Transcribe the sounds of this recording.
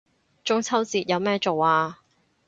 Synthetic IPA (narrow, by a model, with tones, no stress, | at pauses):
t͡ʃʊ˥ŋt͡sʰɐ˥wt͡siː˧t̚jɐ˨˧wmɛː˥t͡so˨waː˧